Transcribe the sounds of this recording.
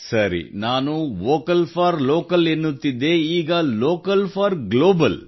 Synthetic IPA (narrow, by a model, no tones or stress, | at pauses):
sɐɾḭnaːnuʋoːkɐlpʰɐɾloːkɐlenːut̪ːid̪ːe̞iːɡɐloːkɐlpʰaːɾɡloːbɐl